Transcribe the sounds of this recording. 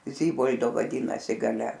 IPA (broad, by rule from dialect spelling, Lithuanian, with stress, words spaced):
ˈzʲiːboːlʲdoː ʋɐˈdʲiːnɐsʲɪ ɡɐˈlʲɛ